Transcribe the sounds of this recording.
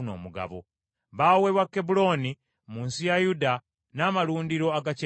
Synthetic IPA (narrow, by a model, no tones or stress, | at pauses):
no̞̰ːmuɡa̰βo̰ | βaweβwakːebulo̞ni | muːnsijajuda | naːmaluːndiɾo̞aɡace